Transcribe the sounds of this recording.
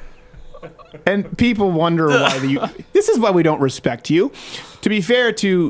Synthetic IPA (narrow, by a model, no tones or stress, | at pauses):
ɨ̃npʰip̬l̩ˠwʌ̃ndə˞waɪðɨjɨðɪsɨzwaɪwiɾõʊ̃nʔ̚ɹɨspɛk̚t͡ʃʉtʰɨbifɛɹɾʰɨ